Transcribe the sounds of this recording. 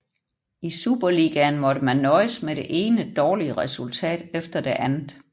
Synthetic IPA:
isuːb̥ɐliɡ̥ænmɒ̽ɾ̥əmænːɒ̽ɪsmeɾ̥e̝ʔe̝ːnəd̥ɒːliəʁɛsult͡sʰɛ̰ːd̥efd̥ɐd̥e̝ʔænð̩ˠ

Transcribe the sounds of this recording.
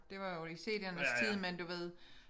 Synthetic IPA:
d̥e̝ʋɑ̈jo̝ise̝̰ːd̥ænəst͡sʰið̰ˠmend̥uʋe̝ð̰ˠ

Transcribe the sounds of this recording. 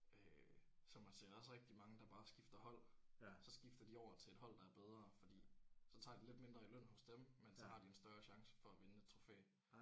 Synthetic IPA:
øsɒ̽mhænsḛɐ̰æɒsʁɛɡ̥̚d̥imɑ̈ŋəd̥ɑ̈b̥ɑ̈ːsɡ̥ifd̥ɐhɒ̽l̰sɒ̽sɡ̥ifd̥ɐd̥iɒʊ̰ɐt͡sʰe̝led̥hɒ̽l̰d̥ɑ̈æɐb̥eð̞ˠʁɐːfɒ̽d̥ḭːsɒ̽t͡sʰɑ̰̈ːd̥ile̝d̥me̝nd̥ʁɐiløn̰hɔ̽sd̥emmensɒ̽hɑ̈d̥iensd̥ɶɐɕɑ̈ŋsə̥fɒ̽æʋe̝nəe̝d̥̚t͡sʰʁo̝fḛː

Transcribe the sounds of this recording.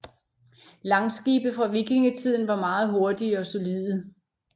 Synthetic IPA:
lɑ̈ŋsɡ̥iːb̥əfʁɑ̈ʋiɡ̥e̝ŋət͡sʰið̰ˠn̩ʋɑ̈mɑ̈ːð̞̩ˠɦo̝ɐd̥iɒ̽so̝liðˠə

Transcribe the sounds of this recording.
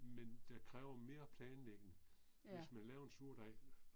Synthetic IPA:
mend̥æ̈kʰʁɛːʊɐme̝ːɐpʰlɛːnleɡ̥ənə | ʋesmænlɛːʊɐe̝nsuɐ̰d̥ɑ

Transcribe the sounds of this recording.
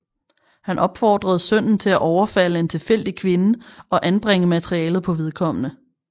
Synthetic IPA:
hænʔɒ̽b̥fɒːd̥ʁɐð̩ˠsœn̰n̩t͡sʰe̝læʔɒʊɐfæl̰əe̝nt͡sʰe̝lfel̰d̥ikʰʋe̝nəɒ̽ʔænb̥ʁeŋ̰əmæt͡sʰʁiɛːlð̩ˠpʰɒ̽ʋe̝ð̞ˠkʰɒ̽m̰ənə

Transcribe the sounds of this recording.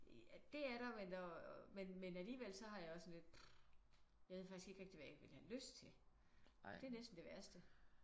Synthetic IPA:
æd̥e̝æɐɾɑmenɒmenmenæliːʋelsɒ̽ɦɑ̈jɑ̈ɒ̽sːɒ̽nle̝d̥̚ | jɑʋe̝ð̰ˠfɡ̥isɡ̥e̝ɡ̥ʁeɡ̥d̥iʋææɡʋe̝lhæløsd̥t͡sʰe̝ | d̥e̝ɐnesd̥n̩d̥e̝ʋæɐsd̥ə

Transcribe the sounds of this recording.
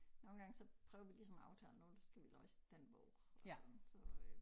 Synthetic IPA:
noːn̩ɡ̥ɑ̈ŋəsɒ̽pʰʁœːʊɐʋilisɒ̽mɑ̈ʊt͡sʰɛ̰ːlno̝ːld̥sɡ̥æʋilɒsd̥enʋ̥ɔʊ | ɒnnsɒ

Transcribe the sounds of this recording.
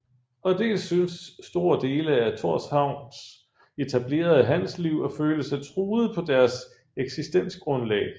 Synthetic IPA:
ɒ̽d̥e̝̰ːlsːynsːd̥o̝ːɐd̥e̝ːləæt͡sʰo̝ɐ̰shɑ̈ʊ̰ns | e̝t͡sʰæb̥le̝̰ːɐðˠɦænsliʊ̰ɒ̽føːləsɑɪt͡sʰʁuːð̩ˠəpʰɒ̽d̥æɐs | eɡ̥sisd̥en̰sɡ̥ʁɔ̽nlɛ̰ːɪ

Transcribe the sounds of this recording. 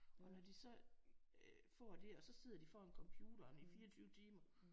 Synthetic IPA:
ɒ̽nɒd̥isɒ̽ | fɒ̰ːd̥e̝ɒ̽sɒ̽se̝ð̰ˠɐd̥ifɒːe̝nkʰɒ̽mpʰjuːɾ̥ɐnifiːɐt͡sʰyːʊt͡sʰiːmɐ

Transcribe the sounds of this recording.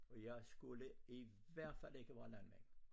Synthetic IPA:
ɒjɑɪsɡ̥uləiʋæɐ̰d̥fæl̰e̝ɡ̥əʋæːɐlænmḛn

